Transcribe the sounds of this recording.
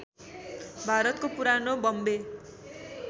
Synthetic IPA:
bʱaɾʌt̪kopuɾanobʌmbe

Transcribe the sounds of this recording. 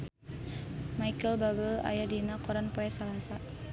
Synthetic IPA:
majkəlbabəla̰jadinakɔɾanpɔɛsalasa

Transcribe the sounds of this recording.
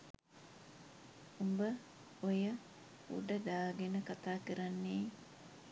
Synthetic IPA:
umbə | ojə | ṵɖɐd̪aːɡenəkat̪aːkiɾɐnːiː

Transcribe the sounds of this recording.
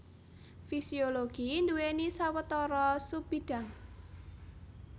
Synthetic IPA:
fisioloɡ̥ind̪uwenisawət̪ɔɾɔsub̥id̥a̤ŋ

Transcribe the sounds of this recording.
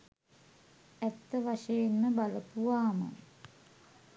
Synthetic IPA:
æt̪ːəʋaʂejenməbaləpuʋaːma̰n

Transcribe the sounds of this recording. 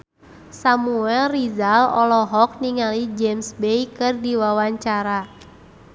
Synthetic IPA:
samuɛlrizalɔ̰lɔɦɔk̚niŋalid͡ʒɛmsbejkɨrdiwawaɲt͡ʃaɾa

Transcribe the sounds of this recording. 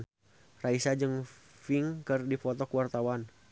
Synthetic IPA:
n | raisad͡ʒɨŋ | fiŋkɨrdifɔt̪ɔkuwart̪awan

